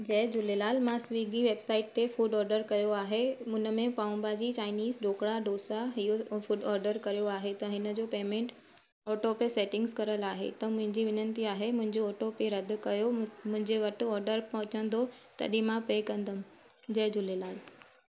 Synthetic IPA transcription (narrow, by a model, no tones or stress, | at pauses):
d͡ʑɛːd͡ʑʊlelaːlmãsʋiːɡiʋeːbsaːɪʈ̚t̪efuːɖɔːɾɖəɾkɐjoaːɦeʊnə̆mẽpaːʊ̃mbad͡ʑit͡ɕaːɪniːzɖoːkɽaɖoːsaɦijofuɖɔːɾɖəɾkɐɾijoaːɦet̪ɐɦɪnə̆d͡ʑoːpeːmẽːɳʈ | ɔːʈopeseːʈɪ̃ŋɡskɐɾəlaːɦḛt̪ɐmʊ̃ɦɪ̃ɲd͡ʑiʋɪnənt̪iaːɦemʊ̃ɦɪ̃ɲd͡ʑoɔːʈopeɾɐd̪ʱʊ̆kɐjomʊ̃ɦɪ̃ɲd͡ʑeʋɐʈʊ̆ɔːɾɖəɾpɐɦʊ̃t͡ɕə̃nd̪ot̪ɐ̰ɗĩmãpeːkɐ̃nd̪əm | d͡ʑɛːd͡ʑʊlelaːl